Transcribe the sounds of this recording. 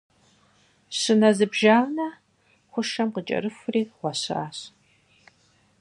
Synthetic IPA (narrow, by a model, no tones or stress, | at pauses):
ɕɨnɐzɨbʒaːʁnɐ | χʷʊʃɐmqət͡ʃʼɐ̰ɾɨfʷʊriːʁʷɔɕa̰ːɕ